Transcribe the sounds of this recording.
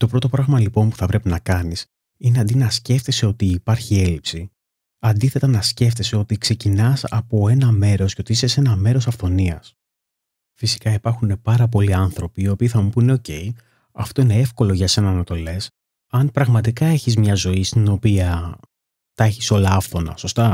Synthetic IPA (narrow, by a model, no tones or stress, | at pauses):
t̪o̞pɾo̞t̪o̞pɾɐɣmɐlipo̞npu̥θɐpɾe̞pinɐkɐnis | ine̞ɐnd̪inɐsce̞ft̪e̞se̞o̞t̪iːpɐɾçie̞lipsi | ɐnd̪iθe̞t̪ɐnɐsce̞ft̪e̞se̞o̞t̪ikse̞cinɐsɐ̰po̞e̞nɐme̞ɾo̞sceo̞t̪iise̞se̞nɐme̞ɾo̞sɐfθo̞niɐs | fisi̥kɐipɐɾxune̞pɐɾɐp̬o̞liɐnθɾo̞piːopiːθɐmupune̞o̞ce̞j | ɐft̪o̞ine̞e̞fko̞lo̞ʝɐse̞nɐnɐt̪o̞le̞s | ɐnpɾɐɣmɐt̪ikɐe̞çizmɲɐzo̞ist̪ino̞piɐ | t̪ɐe̞çiso̞lɐɐfθo̞nɐ̰so̞st̪ɐ